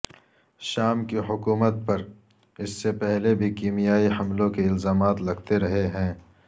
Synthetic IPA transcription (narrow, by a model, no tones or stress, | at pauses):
ʃaːmkiɦʊkuːmət̪̚pɐɾ | ɪsːepɛɦlebʱikiːmijaːihɐmlõkeɪlzaːmaːt̪lɐɡt̪eɾɐɦeɦɛ̃ː